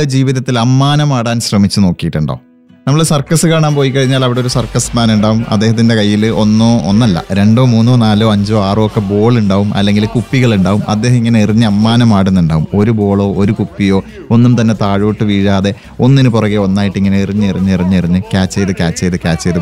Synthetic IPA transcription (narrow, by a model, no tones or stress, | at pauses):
ed͡ʑiːʋiðɐt̪ːilɐmːaːnɐmaːɽaːnɕrɐmit͡ɕːuno̞ːkːijiʈːuɳɖa̰ | nɐmːɐɭsɐrkɐsɨkaːɳaːnpo̞ːjikːɐɻiɲːaːlɐʋiɽeo̞ɾusɐrkɐsmaːnuɳɖaːʋumɐd̪ːeɦɐt̪ːinde̞kɐjːilo̞nːoːonːɐlːɐ̰ɾe̞ɳɖo̞ːmuːnːo̞ːnaːlo̞ːɐɲd͡ʑo̞ːaːrɨokːe̞bo̞ːɭuɳɖaːʋumʔɐ̰lːe̞ŋɡilkupːiɣɐɭuɳɖaːʋumʔɐ̰d̪ːeːɦɐmiŋːɐne̞iriɲːɨɐmːaːnɐmaːɽenːuɳɖaːʋumo̞ɾubo̞ːɭo̞ːʔoɾukupːijo̞ː | o̞nːumt̪ɐnːe̞t̪aːɻoːʈːɨʋiːɻaːðe̞ | o̞nːinɨpurɐɣio̞nːaːjiʈːiŋːɐne̞iriɲːɨiriɲːɨiriɲːɨiriɲːɨkʲaːt͡ɕːejðɨkʲaːt͡ɕːejðɨkʲaːt͡ɕːɐejðɨ